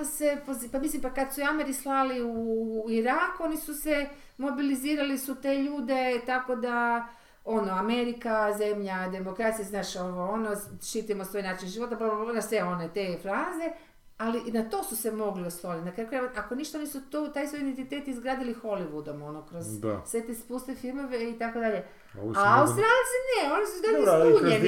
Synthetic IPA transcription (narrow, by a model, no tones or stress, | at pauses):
susepozpamislimpakad̪suiameɾislaliuuiɾaːkuo̞nisuse | mo̞biliziːɾalisut̪eːʎuːd̪e̞t̪ako̞d̪a | o̞noameɾikaze̞mʎad̪e̞mokɾaːt̪sijaznaːʃoʋoonoʃit̪ajemosʋoːjnaːt͡ʃinʒiʋo̞t̪apanasʋeo̞net̪e̞ːfɾaze̞ | alinat̪o̞ːsuse̞mo̞ɡliosolinakɾakoɾaakoniʃt̪anisut̪ot̪ajsʋojid̪ent̪it̪eːt̪izɡɾaːd̪ilixo̞liʋud̪o̞mo̞nokɾozsʋe̞t̪espust̪efilmo̞ʋeit̪ako̞d̪aʎe̞ | aust̪ɾant̪sineo̞nisud̪aiuɲe